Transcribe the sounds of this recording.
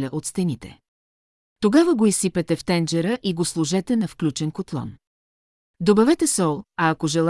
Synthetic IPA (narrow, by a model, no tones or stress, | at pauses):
lʲəʔot̪st̪ɛnit̪ɛ̰ | t̪oɡavəɡoisipɛt̪ɛft̪ɛnd͡ʒɛɾəʔiɡoslˠuʒɛt̪ɛnɐfklʲut͡ʃɛnkot̪lˠɔ̰n | d̪obɐvɛt̪ɛsɔlˠɐːkoʒɛlˠ